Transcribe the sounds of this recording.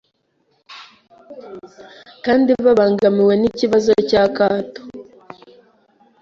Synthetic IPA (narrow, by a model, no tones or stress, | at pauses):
kaːndiβaβaːŋɡamiwe̞niciβazo̞cakaːto̥